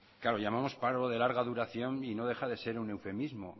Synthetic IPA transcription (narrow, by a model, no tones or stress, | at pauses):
klaɾoʎamamo̞spaɾoðe̞laɾɣaðuɾaθjo̞nino̞ðe̞xaðe̞se̞ɾune̞wfe̞mizmo